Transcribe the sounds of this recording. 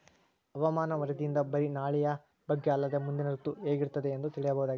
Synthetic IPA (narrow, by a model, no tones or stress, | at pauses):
ɐʋɐmaːnɐʋɐɾɐd̪iind̪ɐbɐɾinaːɭijɐ | bɐɡːeɐlːɐd̪e̞mund̪inɐɾut̪uɦeːɡiɾt̪ɐd̪e̞ːnd̪ut̪iɭijɐbɐɦud̪aːɡi